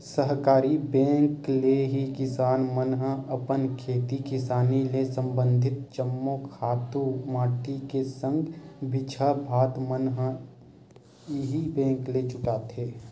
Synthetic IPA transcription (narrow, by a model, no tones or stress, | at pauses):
səɦkaːɾibɛ̃ːŋkleɦikɪsaːnmənɦəɐpənkʰeːt̪ikɪsaːnilesə̃mbə̃nd̪ʱɪt̪̚t͡ʃəmːokʰaːt̪ũmaːʈikesə̃ŋɡbʱɪt͡ʃʰabʱaːt̪mənɦ | ɦibɛ̃ːŋklet͡ʃʊkaːt̪ʰeː